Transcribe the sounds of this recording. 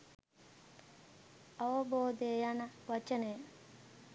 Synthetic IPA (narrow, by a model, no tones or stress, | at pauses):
ɐʋɐboːd̪ejanɐʋɐt͡ʃənej